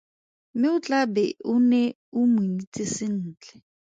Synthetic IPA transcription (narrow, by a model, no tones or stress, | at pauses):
mɪʊt͡ɬʼabɛʊnɛ | ʊmwinit͡sʼisɪn̩ːt͡ɬɛ